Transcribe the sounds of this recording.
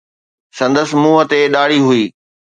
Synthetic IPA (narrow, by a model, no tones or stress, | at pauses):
sɐ̃nd̪əsmuːɦət̪eɗaːɽiɦʊiː